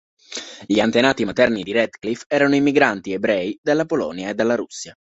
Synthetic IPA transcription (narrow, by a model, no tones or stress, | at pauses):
ʎiant̪enaːt̪imat̪ɛrnid̪iɾɛd̪klifɛːɾanoimːiɡɾant̪iebɾɛːid̪alːapolɔ̰njaed̪ːalːaɾusːja